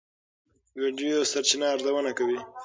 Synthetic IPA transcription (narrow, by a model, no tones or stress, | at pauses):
wiɖijosaɾt͡ʃɪnaːɾzawənakawi